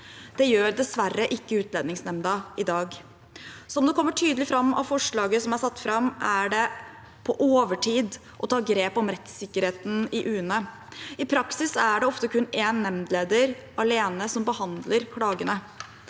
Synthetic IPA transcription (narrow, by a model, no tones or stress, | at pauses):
d̪̥ɛjøːɾd̪ɛsʋærəʔɪkːəʉːt̪lɛːd̪ɪŋsnɛmd̪ɑɪd̪ɑːɡ | sɔɔmd̪ɛkʰɔmːəʈʰyːd̪əlɪfɾɑmːɑ̰ʋfɔʂɭɑːɡəsɔmæɾsɑt̪ːfɾɑmʔæɖɛ | pʰɔʔoːʋəʈʰiːd̪ | ʔɔt̪ʰɑːɡɾeːpɔmɾɛt̪sɪkːəɾheːt̪n̩ɪʔʉːənə | ɪpʰɾɑksɪsæɖɛɔft̪əkʉneːnːɛmd̪leːd̪əɾɑleːnəsɔmbəhɑnd̪ləɾkʰɽɑːɡənə